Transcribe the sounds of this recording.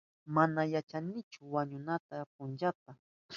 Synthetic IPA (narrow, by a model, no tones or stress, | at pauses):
manajat͡ʃanɪt͡ʃʊwaɲʊnat̪ap̚ʊnt͡ʃat̪a